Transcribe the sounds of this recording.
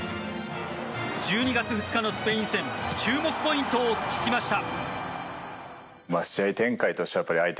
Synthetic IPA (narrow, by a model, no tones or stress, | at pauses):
d͡ʑɨːɲ̟iɡat͡sɨɸɯ̟̥t͡sɨ̥kano̞sɨ̥pe̞ĩɰ̃sẽ̞nt͡ɕɨːmo̞kɯ̟̥po̞ĩnt̪o̞ːkʲi̥kʲimaɕi̥t̪a | maɕiait̪ẽ̞ŋkait̪oɕt̪ojapːaɾʲiait̪